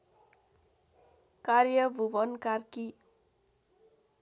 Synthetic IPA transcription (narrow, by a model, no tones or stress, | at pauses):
karjʌbʱubʌnkarki